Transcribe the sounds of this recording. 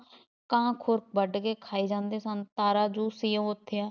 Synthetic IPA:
kãːkʰʊɾk̚bəɖkeːkʰaːiːd͡ʒãːnd̪eːsənt̪aːɾaːd͡ʒuːsiːjə̃ːʊt̪ʰːejãː

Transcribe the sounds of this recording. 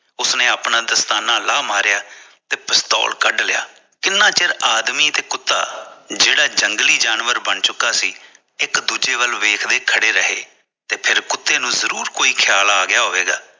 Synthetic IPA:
ʊsnẽːaːpnãːd̪əst̪aːnãːlaːmaːɾjaː | t̪eːpəst̪ɔ̰ːlkəɖlɪja̰ː | kɪnːãːt͡ʃɪɾaːd̪miːt̪eːkʊt̪ːa̰ːd͡ʒeːɽaːd͡ʒəŋɡliːd͡ʒaːnʋəɾbəɳt͡ʃʊkːaːsiː | ɪkd̪uːd͡ʒeːbəlʋeːkʰd̪eːkʰəɽeːɾəɦḛː | t̪eːpʰɪɾkʊt̪ːeːnũːzəɾuːɾkoːiːkʰjaːlaːɡɪjaːɦoːeːɡa̰ː

